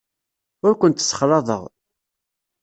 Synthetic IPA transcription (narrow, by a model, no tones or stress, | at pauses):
ʊɾkʷənt̪sːə̥χɾˤɑðˤəʁ